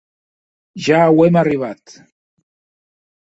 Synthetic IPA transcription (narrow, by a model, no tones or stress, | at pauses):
ʒaːwemariβ̞at̪